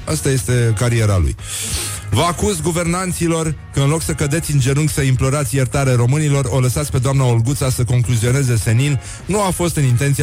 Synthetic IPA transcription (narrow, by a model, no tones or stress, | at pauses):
ast̪aje̞st̪e̞kaɾie̞ɾalṵj | vəakuzɡuve̞rnant̪silo̞rkəɨnlo̞ksəkəd̪e̞t̪sʲɨnd͡ʒe̞ɾuŋɡsəimplo̞ɾat̪sʲjert̪aɾeɾo̞mɨnilo̞ro̞ləsat̪sʲpe̞d̪oamnaolɡut̪sasəko̞ŋkluzio̞ne̞ze̞se̞nil | nuafo̞st̪ɨnint̪ent̪si